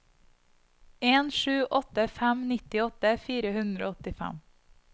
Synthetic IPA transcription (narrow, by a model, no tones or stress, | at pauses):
eːnʃʉːʔɔt̪əfæmnɪt̪ɪɔt̪əfiːɾəhʉnd̪ɾo̰ːɔt̪ɪfæ̰m